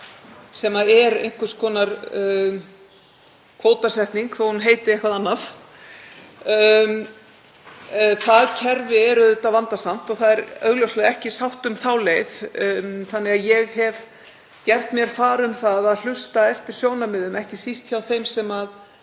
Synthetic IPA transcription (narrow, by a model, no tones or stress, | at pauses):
sɛmaðɛɾḛjŋ̥kʏ̥skʰɔːnaɾ | kʰvoːwt̪asɛht̪niŋkθɔhunɦeːjt̪ɪɾehkvaðanːaθ | θaðcʰɛɾvɪɛɾʏðʏt̪avant̪asam̥t̪ɔɣθaðɛɾœ̰ːɣljowslɛɛhcɪsawht̪ʏmθawleːjθ | θanːɛɣaðjɛɣhɛv | cɛr̥t̪mjɛɾ̥faːɾʏmθaðaðl̥ʏst̪aɛft̪ɪɾ̥sjoːwnamɪðʏmɛhcɪsist̪çawθejmsɛmað